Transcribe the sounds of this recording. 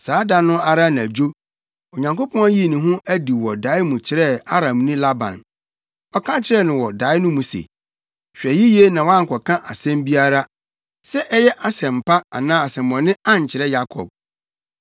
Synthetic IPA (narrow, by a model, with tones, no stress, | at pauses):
saː˨˦da˨nʊ̃˦a˦ɾa˦n˨æ˨d͡ʑᶣo˦ | o˨ɲã˨ŋko˦pʰɔ̃˦æ˦ji˦˨nĩ˨ɦʊ̃˦ʔæ˦di˨wɔ˨da˨˦ɪ˦mũ˨t͡ɕʰɪ˦ɾɛ˦a˦ɾã˨mnĩ˦la˦bã̰˨n | ɔ˨kʰã˦t͡ɕʰɪ˦ɾɛ˦nʊ̃˨wɔ˨da˨˦ɪ˦nʊ̃˦mũ˨sḛ˨ | ɕᶣɛ˨ji˦je˦nã˨wã˦ŋ̩˨kʰɔ˨kʰã˦ʔa˨sɛ̃˦mbi˦a˦ɾa˦ | sɛ˦ʔɛ˦jɛ˦ʔa˦sɛ̃˨m̩˨pʰa˦a̰˨nãː˦a˨sɛ̃˨mːɔ̃˨nɪ̃˦ã˦ɲ˨t͡ɕʰɪ˨ɾɛ˦ja˦kʰɔ̰˨b̥̚